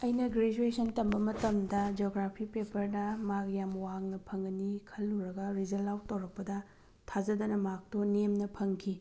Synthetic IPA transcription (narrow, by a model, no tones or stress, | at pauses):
ɐjnɐɡɾed͡ʒuesʰɐntɐmbɐmɐtɐmdɐd͡ʒoɡɾapʰipepɐɾnɐmakjamwaŋnɐpʰɐŋɐnikʰɐlːuɾɐɡɐɾizɐlːawtɐwɾɐk̚pɐdɐ | tʰazɐdɐnɐmak̚tonemnɐpʰɐŋkʰi